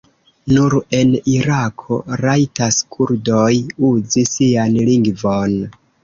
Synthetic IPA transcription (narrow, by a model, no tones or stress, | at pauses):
nuɾe̞niɾakʰo̞̰ɾajtaskʰuɾdojuzisianliŋɡvon